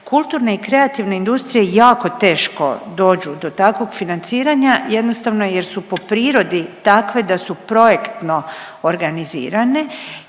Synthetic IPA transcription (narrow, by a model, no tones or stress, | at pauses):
kʰulˠt̪uːɾne̞ikɾe̞at̪iʋne̞ind̪ust̪ɾije̞jaːko̞t̪e̞ːʃko̞̰d̪o̞ːd͡ʑud̪o̞t̪akʋo̞ɡfinant̪siːɾaɲaje̞d̪nost̪aʋnoje̞ɾsupo̞pɾiːɾo̞d̪it̪akʋe̞d̪asupɾo̞jekt̪no̞ː | ɾɡanizḭːɾane̞